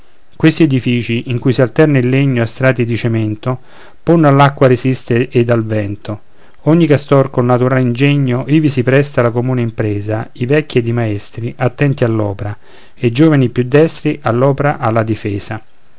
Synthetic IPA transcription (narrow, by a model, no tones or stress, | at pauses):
kwest̪ied̪ifiːt͡ʃiʔiŋkujsialt̪ɛrnailːeɲːoast̪ɾaːt̪id̪it͡ʃement̪o | ponːalːakːwaɾezist̪eʔed̪alvɛnt̪o | oɲːikast̪ɔrkonːat̪uɾaːlind͡ʒeɲːoʔivisipɾɛst̪alakomuːneimpɾɛːzaivɛkʲːed̪imaɛst̪ɾiʔat̪ːɛnt̪ialːɔːpeɾa | ed͡ʒoːvanipjud̪ːɛst̪ɾiʔalːɔːpeɾaʔalːad̪ifɛːza